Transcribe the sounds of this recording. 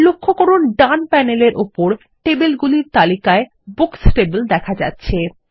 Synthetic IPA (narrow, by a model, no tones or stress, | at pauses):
lokʰːokoɾonɖanpɛneleɾʔopoɾ | ʈebelɡuliɾt̪alikae | buksʈebld̪ɛkʰad͡ʑa̰tːɕʰe